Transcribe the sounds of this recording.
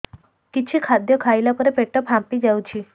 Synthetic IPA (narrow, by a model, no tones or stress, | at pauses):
kit͡ʃʰikʰad̪jɔkʰailapəɾepeʈəpɦãmpid͡ʒaut͡ɕʰi